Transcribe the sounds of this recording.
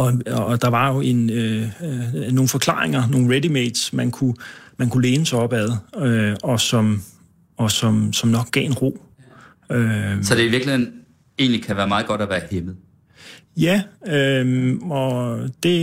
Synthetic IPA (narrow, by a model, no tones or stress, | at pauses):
ɒ̽d̥ɑ̈ʋɑ̈jo̝ʔe̝nø | no̝ːn̩fɒ̽kʰl̥ɑ̰̈ːʁeŋɐno̝ːn̩ʁedimed̥smænkʰumænkʰule̝ːnəsaɒ̽b̥æð̩ˠøɒ̽sɒ̽m | ɒ̽sɒ̽msɒ̽mnɒ̽ɡ̥̚ɡ̥ɛ̰ːe̝nʁo̝̰ː | øsɒ̽d̥e̝iʋiɐɡ̥ləhen̩ | e̝̰ːnlikʰæʋæːɐmɑ̈ːð̩ˠɡ̥ɒ̽d̥æʋæːɐhemð̩ˠ | jæømɒ̽d̥e̝